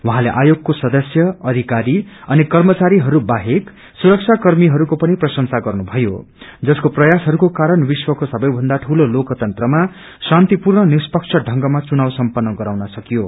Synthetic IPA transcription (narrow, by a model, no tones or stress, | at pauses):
wuɦãleʔajoɡ̚kosʌd̪ʌsjʌʌd̪ʱikaɾiʌnikʌrmʌt͡saɾiɦʌɾubaɦek | suɾʌk̚t͡sʰakʌrmiɦʌɾukopʌniprʌsʌnsaɡʌrnubʱʌjo̰ | d͡zʌskoprʌjasɦʌɾukokaɾʌnwiswʌkosʌbʌjbʱʌnd̪aʈʰulolokt̪ʌnt̪rʌma | sãnt̪ipurɳʌnispʌkt͡sʰʌɖʱʌŋɡʌmat͡sunawsʌmpʌnːʌɡʌɾawnʌsʌkijo